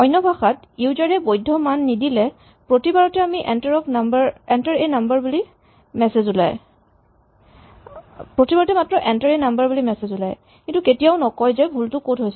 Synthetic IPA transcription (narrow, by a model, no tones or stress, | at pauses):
ɔjnːɔbʱaxat | uwzaɹɛbojdʱːɔmanːidilɛ | pɹotibaɹɔtɛamiʔɛntaɹɔpnambaɹɛntaɹenambaɹbuli | mɛsezula̰j | pɹotibaɹɔtɛmatɹɔʔɛntaɹenambaɹbulimɛsezula̰j | kintuketijaʊnɔkɔjzɛbʱultʊkotɦojs